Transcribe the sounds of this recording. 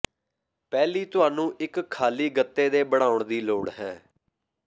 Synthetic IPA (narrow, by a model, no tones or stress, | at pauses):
pɛːliːt̪ʊaːnũːʔɪkkʰːaːliːɡət̪ːeːd̪eːbəɽ̃aːʊɳd̪iːloːɽɦɛ̃ː